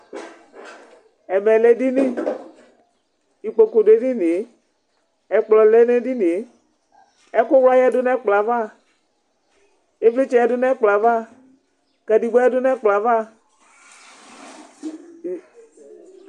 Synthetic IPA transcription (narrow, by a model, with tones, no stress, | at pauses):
ɛ˨mɛ˨le˦di˦ni˦ | i˨k͡po˨ko˨de˨˦di˦ni˨˦ | ɛ˨k͡plɔ˨le˦ne˦di˦ni˨˦ | ɛ˦kʊ˦wla˦jɛ˦dʊ˦nɛ˦k͡pla˨va˦˨ | e˦fli˦t͡ʃɛ˦ɛ˦dʊ˦nɛ˦k͡pla˨va˦˨ | kɛ˨di˨ɡ͡bɛ˦ɛ˦dʊ˦nɛ˦k͡pla˨˦va˦˨